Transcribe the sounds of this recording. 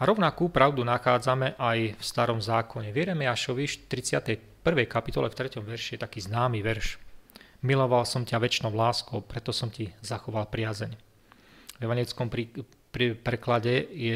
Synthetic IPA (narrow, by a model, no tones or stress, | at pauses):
aɾɔʊnakuːpɾaʊd̪unaxaːd͡zamɛʔajfst̪aɾɔmzaːkʰɔɲɛʋjɛɾɛmɛaʃɔʋiʃt̪ɾit͡sɪat̪ɛj | pr̩ʋɛjkapit̪ɔlɛft̪ɾɛcɔmʋɛɾʃijɛt̪akiːznaːmiʋɛɾʃ | milɔʋalsɔmcaʋɛt͡ʃnɔʊlaːskɔʊpɾɛt̪ɔsɔmcizaxɔʋalpɾɪazɛɲ | vɛʋaɲɛlit͡skɔmi | pɾɛklaɟɛjɛ